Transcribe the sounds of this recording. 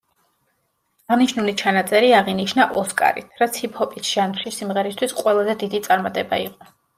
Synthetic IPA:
aʁniʃnulit͡ʃʰanat̪sʼɛɾiaʁiniʃnaʔɔskʼa̰ɾḭɾat̪sʰipʰɔpʼisʒ̥anpʰχisːimʁɛɾist̪ʰwisqʼwɛlˠazɛd̪id̪it̪sʼaɾmat̪ʼɛba̰iqʼɔ

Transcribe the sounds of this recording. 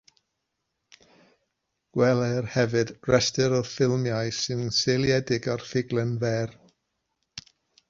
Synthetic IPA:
ɡ̥wɛlˠɛrhɛvɨd̥rɛstɨɾɔfɪlˠmjajsɨnselˠjɛdɪɡarfɪɡlˠɛnvɛːr

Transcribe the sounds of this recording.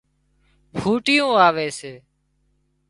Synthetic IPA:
bʱuːʈɪjõːaːʋeːseː

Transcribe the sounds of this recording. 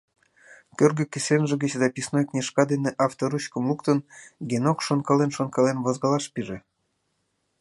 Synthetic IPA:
kʲørɡøkʲesʲenʒĕɡət͡ɕzɑpʲisnojknʲiʃkɑd̪eneʔɑft̪oɾuɕkə̆mlukt̪ənɡenokʃonkɑlenʃonkɑlenβozɡɑlɑʃpiʒĕ

